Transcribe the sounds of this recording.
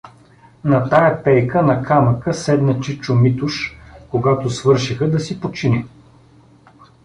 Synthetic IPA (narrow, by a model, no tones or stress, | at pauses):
nɐt̪ajɐpɛjkənɐkʰaməkəsɛd̪nɐt͡ʃit͡ʃʊmit̪ʊʃkoɡat̪ʊsvɤɾʃixəd̪ɐsipot͡ʃinɛ